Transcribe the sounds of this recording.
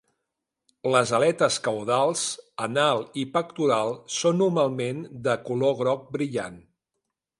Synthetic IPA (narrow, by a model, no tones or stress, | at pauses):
ləzəlɛt̪əskəwð̞alˠzənalˠipəkt̪uɾalˠsonːumalˠmend̪əkuloɣɾɔk̚bɾiʎa̰n